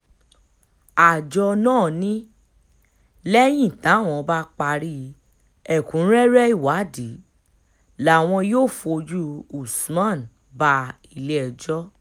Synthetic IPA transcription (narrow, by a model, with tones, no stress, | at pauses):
a˨d͡ʒɔ˧nãː˦˨nĩ˦ | lɛ˦j̃ĩ˦˨tã˨˦˨w̃ɔ̃˧˨˧ba˦k͡pa˧ɾi˦˧ | ɛ˦˨kũ˨˦ɾɛ˦ɾɛ˦i˦˨wa˨˦di˨˦ | la˦˨w̃ɔ̃˧joː˦˨fo˧d͡ʒu˦u˨smã˦˨n | ba˧ | i˨˧˨le˦ɛ˨d͡ʒɔ˦